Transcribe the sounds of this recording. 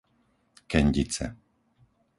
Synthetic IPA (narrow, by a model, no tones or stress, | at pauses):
kɛɲɟit͡sɛ̰